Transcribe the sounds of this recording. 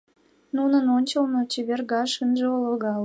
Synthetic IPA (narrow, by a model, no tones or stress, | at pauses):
nunənonʲt͡ɕəlnŏt͡ɕeβʲerɣɑʃinʒeoloɣɑl